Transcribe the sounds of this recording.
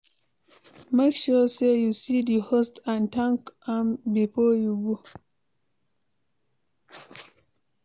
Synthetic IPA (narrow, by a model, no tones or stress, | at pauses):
makʃɔsejusidihostãntãŋkãmbifɔjuɡu